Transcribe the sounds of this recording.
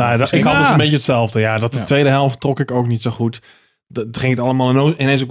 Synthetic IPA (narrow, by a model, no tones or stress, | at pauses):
nadɪkhɔdsəmbetətsɛlˠvdəjadɔtətʋejdəɦɛlˠftːrɔkɪkowknitsoxut | χɪŋətalˠəmaːlˠɪnoːɪnẽnsok